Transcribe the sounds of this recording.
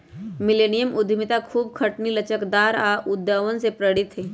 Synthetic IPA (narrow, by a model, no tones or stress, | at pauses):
mɪleːnijəmʔʊd̪ʱmɪt̪akʰuːbkʰɐʈnilɐt͡ʃəkd̪aːɾaʔʊd̪jaːʋənsepɾəɽɪt̪ɦeː